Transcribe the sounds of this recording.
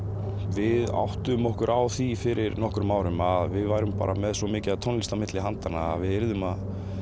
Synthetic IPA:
vɪða̰wht̪ʏmɔhkʏɾʔawθifɪɾʔɪɾnɔhkɾʏmːaːwɾʏmaðvɪðvajɾʏmpa̰ːɾʔamɛðsvɔmɪːcɪaðt̪ʰɔnlist̪amɪt̪lɪɦant̪anːa̰a̰ðvɪðɪɾðʏmað

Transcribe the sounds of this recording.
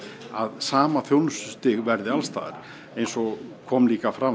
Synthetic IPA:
a̰ðsaːmaθjownsʏst̪ɪɣvɛɾðɪalst̪a̰ːð̰ɾ̥ | ejnsɔɣkʰɔmliːkafɾa

